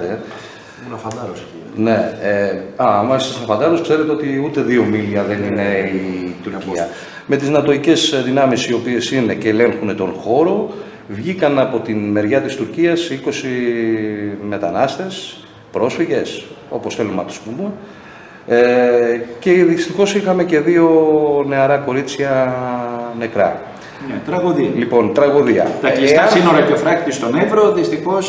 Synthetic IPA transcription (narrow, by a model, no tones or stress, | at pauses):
e | ɐfɐd̪ɐsine̞ | ɐmɐsɐsnɐfɐnd̪ɐɾoskse̞ɾet̪eo̞t̪iut̪e̞ðio̞miliɐðe̞nine̞it̪uɾciɐ | me̞t̪iznɐt̪o̞ice̞sðinɐmisio̞pie̞sineceːle̞ŋxunet̪o̞nxo̞ɾo̞ | vʝikɐnɐpo̞t̪inme̞ɾʝɐt̪ist̪uɾciɐsiko̞si | me̞t̪ɐnɐst̪e̞s | pɾo̞sfiʝe̞so̞po̞sθe̞lumɐt̪u̥spume | e | ce̞ðist̪ixo̞sixɐme̞ce̞ðio̞ne̞ɐɾɐko̞ɾit͡sçɐ | ne̞kɾɐ̰ | net̪ɾɐɣoðiɐlipo̞nt̪ɾɐɣoðiɐ̰t̪ɐiesɐsino̞ɾɐceofɾɐkt̪ist̪o̞nevɾo̞ðist̪ixo̞s